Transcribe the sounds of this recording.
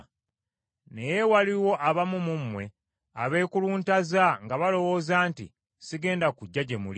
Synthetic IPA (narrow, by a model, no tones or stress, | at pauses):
ne̞jewaliwo̞ʔaβamumumwe̞ | a̰βe̞ːkuluːntazaŋɡaβalo̞wo̞ːzaːntḭ | siɡe̞ːndakuɟːaɟemṵli